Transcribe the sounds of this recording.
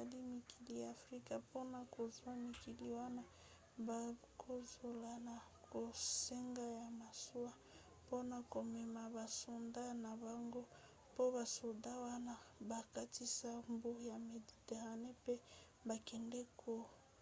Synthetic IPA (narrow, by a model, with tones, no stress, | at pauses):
a˨li˦mi˨ki˨li˨ja˨fʁi˦ka˨po˦na˨ko˨zwa˦mi˨ki˨li˨wa˦na˦ | ba˨ | kʰo˦zo˨la˨na˨ | kʰo˨se˦ŋɡa˦ja˨ma˨su˦a˦ | po˦na˨ko˨mɛ˨ma˨ba˨so˨nda˦na˨ba˨ŋɡo˦ | po˦ba˨so˨da˦wa˦na˦ba˨ka˦ti˦sa˦mbu˦˨ja˨me˨di˨te˨ʁa˨ne˦pe˦ | ba˨kɛ˨ndɛ˦kʰo˨